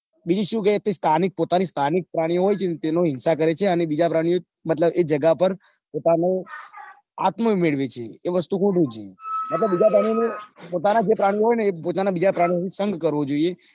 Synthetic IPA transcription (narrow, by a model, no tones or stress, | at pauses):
bid͡ʒiʃũkeet̪ːest̪ʰanik̚pot̪anist̪ʰanik̚pɾaɽ̃ioɦojt͡ʃʰenet̪enoɦɪnsakəɾet͡ʃʰeənebid͡ʒapɾaɽ̃ijo | mət̪ləbed͡ʒəɡapəɾ | pot̪ane | a̰t̪momeɭʋet͡ʃʰeːʋəst̪ukʰuʈut͡ʃʰemət̪ləbbid͡ʒapɾaɽ̃ijonepot̪anad͡ʒepɾaɽ̃ioɦojnepot̪anabid͡ʒapɾaɽioĩsəŋɡkəɾʋod͡ʒoie